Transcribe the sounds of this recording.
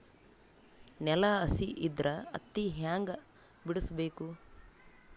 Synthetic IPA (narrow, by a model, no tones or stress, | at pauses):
nɛlɐɐsiʔid̪ɾʔɐɐ̰t̪ːiɦaːŋɡɐ | biɽɐsbeːku